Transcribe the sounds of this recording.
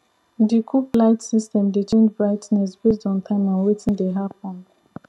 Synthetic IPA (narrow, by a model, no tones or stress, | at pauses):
dikʰuplaɪtsistɛ̃mdet͡ʃẽnd͡ʒbɹaɪtnɛs̬bes̬tɔ̃ntʰãɪ̃mɔ̃nwetĩndeɦap̚ɔ̃nd